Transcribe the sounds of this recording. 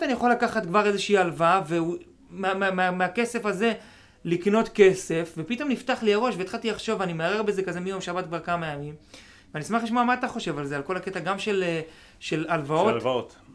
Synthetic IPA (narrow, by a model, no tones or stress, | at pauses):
anijaχo̞lːakaχat̪kvaʁe̞zeʃiːalvave̞u | mmmemeake̞se̞faze̞ | likno̞t̪ke̞se̞fve̞pit̪o̞mniftaχliaʁo̞ʃveetχat̪iaχʃoveanimeaʁe̞ʁbeze̞kazemijo̞mʃabatkvaʁkamajamim | veanismaχliʃmoamaːt̪aχo̞ʃe̞valzealko̞laket̪aɡamʃe̞le | ʃe̞lalvao̞tvot̪